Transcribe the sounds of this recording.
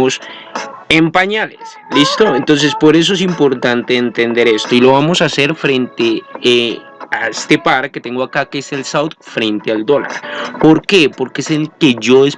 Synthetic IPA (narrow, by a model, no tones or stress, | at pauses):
os | empaɲales | list̪o̞ent̪o̞ns̬e̞spo̞ɾe̞s̬o̞es̬impo̞ɾt̪ant̪eːnt̪e̞nd̪e̞ɾe̞st̪o̞ilo̞βamo̞sase̞ɾfɾe̞nt̪e̞ | aest̪e̞paɾket̪e̞ŋɡoakakeselsawt̪fɾe̞nt̪eald̪o̞la̰ɾpo̞ɾke̞po̞ɾkeeselke̞ʝo̞es